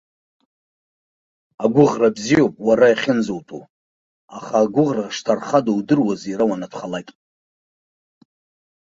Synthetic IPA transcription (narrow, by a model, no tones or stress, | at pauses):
aɡʷʊʁrabzijowpʼwaɾajχʲɪnzowtʰʼṵ | aχaːɡʷʊʁraʂtʰarχadowdɨrwazejɾawanatʷʰχalakʲʼ